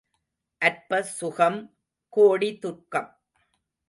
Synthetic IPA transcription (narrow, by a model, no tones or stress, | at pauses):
ʔɐɾpɐsʊɣɐm | koːɽit̪ʊrkɐm